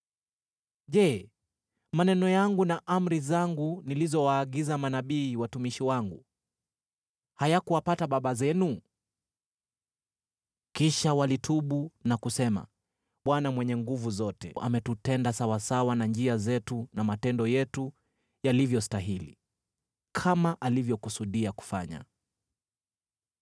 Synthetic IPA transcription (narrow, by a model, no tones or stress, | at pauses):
ʄɛ | manɛnɔjaŋɡunaʔam̩ɾizaŋɡunilizɔwaːɠizamanaɓiːwatumiʃiwaŋɡu | hajakuwapataɓaɓazɛnu | kiʃawalitʰuɓunakusɛma̰ | ɓwanamwɛɲɛŋɡuvuzɔtɛ̰ʔa̰mɛtutɛndasawasawanand͡ʒiazɛtunamatɛndɔjɛtu | jalivjɔstaɦilḭ | kʰamaʔalivjɔkusuɗiaku̥faɲa̰